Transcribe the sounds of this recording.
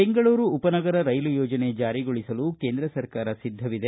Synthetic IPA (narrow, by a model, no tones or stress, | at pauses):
eŋɡɐɭuːɾuːpɐnɐɡɐɾɐɾɐjlujɔːd͡ʒɐne̞d͡ʒaːɾiɡoɭisɐlukke̞ːnd̪ɾɐsɐɾkaːɾɐsid̪ʱːɐʋid̪e